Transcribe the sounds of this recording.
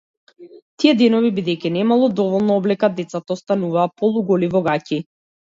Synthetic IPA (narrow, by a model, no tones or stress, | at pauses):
t̪iɛd̪ɛnɔvibid̪ɛjcinɛmalˠɔd̪ɔvɔlˠnɔɔblɛkad̪ɛt̪sat̪aɔst̪anuvaːpɔlˠuɡɔlivɔɡaci